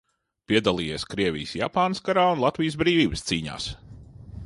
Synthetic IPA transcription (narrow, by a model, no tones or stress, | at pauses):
pʲiɛd̪alˠiːjeːskɾiɛvʲḭjsja̰paːnəskaɾaːunlˠat̪vijs̬bɾiːvʲiːbəst̪siːɲa̰ːs